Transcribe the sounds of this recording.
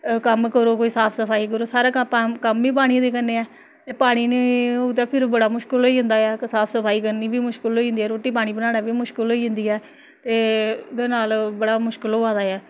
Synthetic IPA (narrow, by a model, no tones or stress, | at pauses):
kəmkəɾoːkoːiːsaːpʰsəpʰaːiːk̬əɾoːsaːɾaːkapãːkəmbiːp̬aːɽ̃iːd̪eːkənːeːɛː | t̪eːpaːɽ̃iːneːot̪aːpʰɪɾbəɽaːmʊʃkəlɦoːiːɦʊ̃nd̪aːɛːksaːpʰsəpʰaːiːk̬əɾniːbiːmʊʃkəlɦoiːɦʊ̃nd̪iːɛːɾoːʈːiːp̬aːɽ̃iːbənaːɽaːbiːmʊʃkəlɦoːiːɦʊ̃nd̪iːɛː | t̪eːd̪eːnaːlbəɽaːmʊʃkəloːaːd̪aːɛː